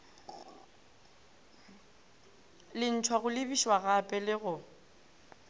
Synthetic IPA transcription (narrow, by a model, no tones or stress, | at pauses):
lɪn̩tʰwaɣʊlɪbiʃwaɣapʼɛlɪɣʊ